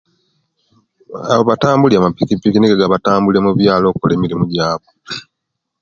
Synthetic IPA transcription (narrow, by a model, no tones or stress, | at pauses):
a̰βoβataːmbuliamapikipikiniɡeɡaβataːmbulemuβjaːlo̞ːkkole̞ːmiɾimuɟaːβo